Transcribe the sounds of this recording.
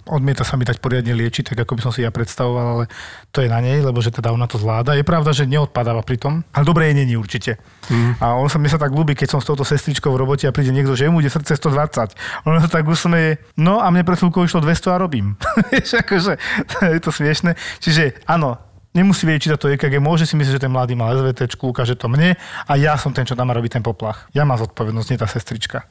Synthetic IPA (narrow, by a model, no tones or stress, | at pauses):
ɔd̪mɪɛt̪asamit̪ac̚pɔɾɪad̪ɲɛlɪɛt͡ʃit̪aɡakɔbisɔmsijapɾɛt̪st̪aʋɔʋalalɛt̪ɔjɛnaɲɛjlɛbɔʒɛt̪ɛd̪aɔnat̪ɔzʋlaːd̪ajɛpɾaʊd̪aʒɛɲɛɔt̪̚pad̪aːʋapɾit̪ɔmalɛd̪ɔbɾɛjɛɲɛɲiuɾt͡ʃicɛ | aɔnsamɲɛsat̪aɡluːbiːkɛcsɔmst̪ɔʊt̪ɔsɛst̪ɾit͡ʃkɔʊvɾɔbɔcɛapɾiːɟɛɲɛɡd̪ɔʒɛɛmuiɟɛsr̩t̪t͡sɛst̪ɔd̪ʋat͡sːacɔnas̬at̪aɡusmɛjɛ | nɔamɲɛp̬ɾɛt̪fulkɔʊiʃlɔd̪ʋɛst̪ɔaɾɔbiːmjɛʃakɔʒɛjɛt̪ɔsmɪɛʃnɛt͡ʃiʒɛaːnɔ | ɲɛmusiʋɛɟɛct͡ʃisat̪ɔɛkaɡɛmɔʒɛsimis̬limʒɛt̪ɛnmlad̪iːmalɛzʋɛt̪ɛt͡ʃkuukaːʒɛt̪ɔmɲɛajasɔmt̪ɛnt͡ʃɔt̪amaɾɔbit̪ɛnpɔplaxjamaːmzɔt̪̚pɔʋɛd̪nɔscɲɛt̪aːsɛst̪ɾit͡ʃka